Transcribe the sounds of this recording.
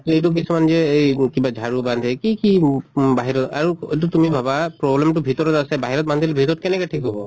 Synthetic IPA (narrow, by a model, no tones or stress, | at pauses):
tejtʊk̬isumanzɛejkibad͡ʒʱaɹuband̪ʰʱɛkikibaɦiɹɔta̰ɹuet̬ʊtumibʱabapɹɔblɛmtʊbʱitɔɹɔtasɛbaɦiɹɔt̚mand̪ʱilbʱitɔɹɔt̚kɛnɛkɛtʰikɦɔbɔ